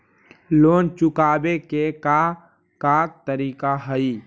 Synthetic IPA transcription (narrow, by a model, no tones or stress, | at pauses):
loːnt͡ʃukaːbekeka | kat̪əɾiːkaɦəi